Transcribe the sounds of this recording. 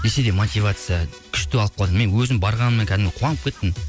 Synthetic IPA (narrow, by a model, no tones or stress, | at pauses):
nese̞d̪emot̪ivat̪sɨja | kʲʰɪ̥ʃt̪ɪɑlˠəpqʰːɑlˠd̪əme̞nwɵzɪmbɑɾʁɑnəmːeŋkʲʰæd̪ɪmɡʲeqʰwɑnəp̚kʲʰe̞t̪ːɪm